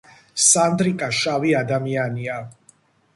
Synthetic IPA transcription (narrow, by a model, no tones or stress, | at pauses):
sand̪ɾikʼaʃaviad̪amiania